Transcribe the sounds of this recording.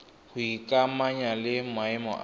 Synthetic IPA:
hʊikʼamaɲalɪmwaɪmɔ̰ʔ

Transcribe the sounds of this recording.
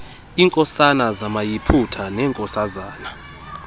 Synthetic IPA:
iːŋkʼɔsanazamajipʰutʰanɛːŋkʼɔsazaːna

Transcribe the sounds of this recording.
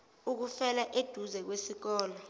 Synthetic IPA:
uk̬ufɛlaʔed̥ʱuzɛk̬wesik̬ɔːlɔ

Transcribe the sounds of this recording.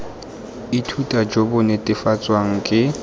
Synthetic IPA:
itʰutʼad͡ʒobʊnɛtʼɪfat͡sʼwaŋ̩kʼɪ

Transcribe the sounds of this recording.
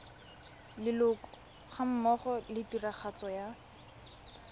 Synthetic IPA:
lɪlʊkʊ̥ | χam̩mɔχɔlɪtiraχat͡sɔja

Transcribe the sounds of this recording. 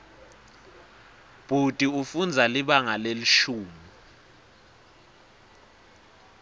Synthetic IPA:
b̥ʱutʼiufund͡zʱaliɓaŋaleliʃuːmi

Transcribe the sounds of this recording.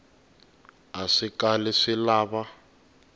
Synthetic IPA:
aʂikalɛʂɪlaːβa

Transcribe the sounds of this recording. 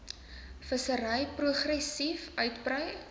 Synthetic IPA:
fəsəɾəjpruəχrɛsifœɥtprəj

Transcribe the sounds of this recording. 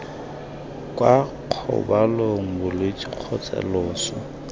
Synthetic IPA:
kʼwa | q͡χʰɔ̰baloŋ̩bʊlet͡ʃʼiq͡χʰɔt͡sʼɛ̰lɔːsɔ

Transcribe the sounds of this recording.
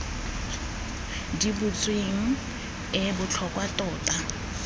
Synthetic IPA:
dibʊt͡sʼweŋ̩ | ɪbʊt͡ɬʰɔkʼwatʼɔːtʼa

